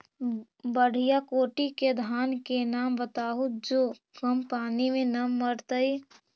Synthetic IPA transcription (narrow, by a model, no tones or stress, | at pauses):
bəɽ̤ʱɪjakoːʈiked̪ʱaːnkenaːmbət̪aːɦud͡ʒoː | ɡəmpaːnimẽnɐmːəɾt̪əi